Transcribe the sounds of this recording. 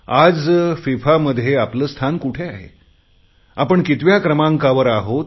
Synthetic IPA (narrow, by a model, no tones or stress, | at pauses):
ad͡zfifaməd̪ʱːjeapləːst̪ʰankuʈʰeaɦḛ | apəɳkit̪ʋjakɾəmãŋkaʋəɾaɦot̪